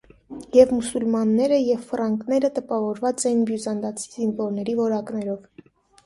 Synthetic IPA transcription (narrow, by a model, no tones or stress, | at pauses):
jɛvmusulmɑnːɛɾəjɛvfərɑŋkʰnɛɾət̪əpɑvɔɾvɑt͡sɛjinbjuzɑnd̪ɑt͡sʰizinvɔɾnɛɾivɔɾɑknɛɾɔv